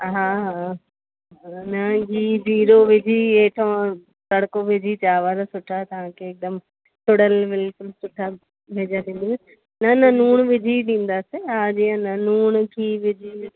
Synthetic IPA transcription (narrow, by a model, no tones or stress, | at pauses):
ɦaːɦaː | nɐɡiːziːɾoʋɪd͡ʑʱieːʈʰõː | sɐɽkoʋɪd͡ʑʱit͡ɕaːʋaːɾsʊʈʰat̪ɐʋ̤ãkʰeːk̚d̪əm | sʊɽ̤əlbɪlkʊlsʊʈʰa | ʋʱeːd͡ʑad̪ĩːn̆d̪i | nɐnɐnuːɽ̃ʋɪd͡ʑʱiɗĩːn̆d̪aːseɦaːd͡ʑiːə̃nɐnuːɽ̃kʰiːʋɪd͡ʑʱi